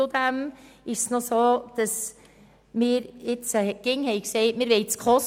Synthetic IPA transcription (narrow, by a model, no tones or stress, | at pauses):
ʊd̪æmɪʃsnosoːd̪̥ɑs | mɪːɾɪt͡səkɪŋhɛɪksɛɪtmɪːɾʋɛɪt͡skʰχɔs